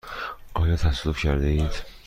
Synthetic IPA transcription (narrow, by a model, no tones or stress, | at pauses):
ʔɒːjɒːt̪ʰæsd̪ufcʰæɾd̪eiːd̪̥